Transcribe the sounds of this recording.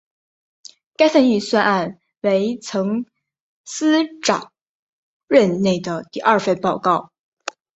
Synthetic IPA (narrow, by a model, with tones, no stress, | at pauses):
ka˥ɪsə˥˧ny˥˩swa˥˧na˥˩n | we˧˥ɪt͡sʰɤ˧˥ŋ | sɹ̩˥ʈ͡ʂɑ˨˩˦ŋ | ɻə˥˧nne˥˩ɪd̪ə˩t̪i˥˧ʔɐ˞˥˧fe˥˧ɪpɑ˥˧ʊkɑ˥˩ʊ